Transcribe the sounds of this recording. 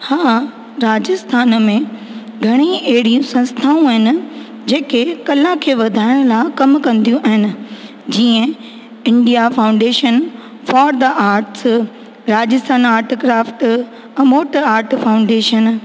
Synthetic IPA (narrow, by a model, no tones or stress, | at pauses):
haː | ɾaːd͡ʑɪst̪ʰaːnmẽ | ɡʱɐɽ̃iɐɦɪɽijũsɐ̃nst̪ʰaːũɐɦɪnɪ̆ | d͡ʑeːkekɐlãkʰeːʋɐd̪ʱaːɪɽ̃ʊlaɪkɐmkɐ̃nd̪ijũʔɐɦɪnɪ̆ | d͡ʑiːə̃ | ɪ̃ɳɖijafaːʊ̃ɳɖeːʃən | fɔːɾd̪ɐʔaːɾʈs | ɾaːd͡ʑɪst̪ʰaːnaːɾʈkɾaːfʈ | ɛ̃ːmoːʈəaːɾʈʰfaːʊ̃ɳɖeːʃən